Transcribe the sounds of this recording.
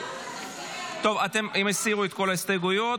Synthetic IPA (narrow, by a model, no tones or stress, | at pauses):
t̪o̞vat̪emimesiʁuet̪ko̞last̪eɡujo